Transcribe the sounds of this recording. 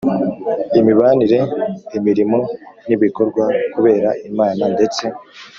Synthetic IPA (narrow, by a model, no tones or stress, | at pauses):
imiβaniɾe̞imiɾimo̞niβiko̞ɾɡwakuβe̞ːɾaʔimaːnande̞t͡se̞